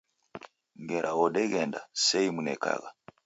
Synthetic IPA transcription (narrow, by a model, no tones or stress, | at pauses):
ŋɡɛɾʔawɔɗɛɣɛnda̰sɛimunɛka̰ɣa